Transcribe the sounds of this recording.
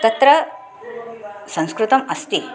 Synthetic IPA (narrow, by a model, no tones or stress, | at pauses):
k̪ɐt̪ɾɐ | sɐ̃ŋ̃skɾut̪ɐmɐst̪i